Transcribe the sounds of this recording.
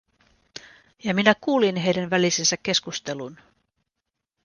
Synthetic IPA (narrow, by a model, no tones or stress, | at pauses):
jɑminækuːlinɦe̞jdænʋælisensækːe̞skust̪e̞lun